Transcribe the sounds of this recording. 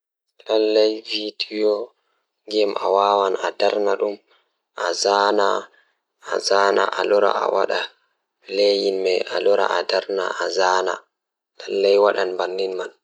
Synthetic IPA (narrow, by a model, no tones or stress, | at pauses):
lalːajvidijɔ | ŋɡɛmawawanadaɾnaɗum | ʔazanaː | zaːna̰ʔalɔɾa̰a̰waɗa | lejinmɛalɔɾa̰ʔadaɾna̰ʔazaːna̰ | lalːajwaɗanbanːinman